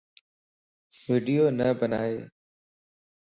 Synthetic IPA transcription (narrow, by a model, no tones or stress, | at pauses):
ʋiːɖijoːnəbənaːeː